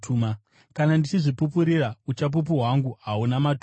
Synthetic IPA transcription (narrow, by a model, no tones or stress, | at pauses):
tuma | kanandit͡ʃiʐipupuɾiraut͡ʃap̬up̬uɦwaŋɡuaunamatu